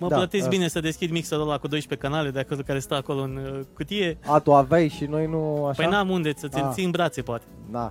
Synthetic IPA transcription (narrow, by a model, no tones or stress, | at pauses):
məplət̪es̬bine̞səd̪e̞skʲid̪miksəɾolakud̪o̞jʃpe̞kanale̞d̪eakolokaɾe̞st̪awako̞loɨnkut̪ije̞at̪uavejʃino̞jnuaʃpəjnamund̪e̞sət̪sinsimbɾat̪se̞poat̪e̥d̪a